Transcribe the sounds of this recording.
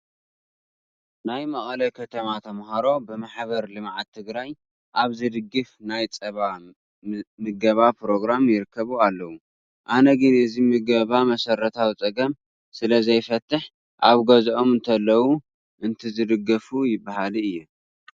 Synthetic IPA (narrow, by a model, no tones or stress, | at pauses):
najmɐχʼɐlɐkʰɐt̪ʰɐmat̪ʰɐmhaɾo̞bɨmaħβɐɾlɨmʕat̪ʰːɨɡɾaj | ʔaβzɨd̪ɨɡːɨfnajt͡sʼɐβa | mɨɡɐβapɾo̞ɡɾamjɪɾɨkʰːɐβualːɐwu | ʔanɐɡɨnɨzimɨɡɐβamɐsɐɾːɐt̪ʰawit͡sʼɐɡɐm | sɨlɐzɐjfɐt̪ʰːɨħ | ʔaβɡɐzʔomɨnt̪ʰɐlːɐwu | ʔɨnt̪ʰizɨd̪ɨɡɐfujɪbːaɦalɨjːu